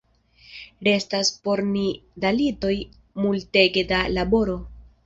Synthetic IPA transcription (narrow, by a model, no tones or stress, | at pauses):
ɾe̞staspo̞ɾnidalito̞j | multe̞ɡe̞dalabo̞ɾo̞